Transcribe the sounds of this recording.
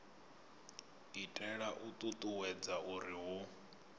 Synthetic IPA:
itʼɛɺaʔut̪ʼut̪ʼuwɛd͡zaʔuɾiɦʊ

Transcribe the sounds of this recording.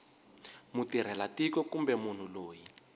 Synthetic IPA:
mutiɾ̤ɛlatikɔkumbɛmun̤uloːji

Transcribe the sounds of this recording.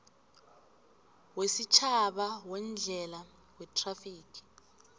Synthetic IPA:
wesit͡ʃʰaɓawɛnd͡ɮʱɛla | wɛtʼrafiːkʰʼi̥

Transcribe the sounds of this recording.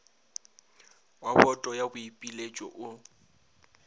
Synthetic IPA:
wabɔtʼɔjabʊipʼilet͡ʃʼɔ̰ʔʊ

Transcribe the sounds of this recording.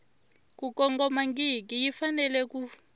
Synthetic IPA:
kukɔŋɡɔmaŋɡik̬ijifanɛlɛku

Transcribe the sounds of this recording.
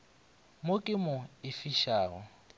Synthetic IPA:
mokʼɪmʊɪfiʃaːɣɔ̰

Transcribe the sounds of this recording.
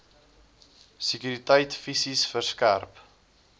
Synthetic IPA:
sikyɾitəjtfisisfərskæ̰rp

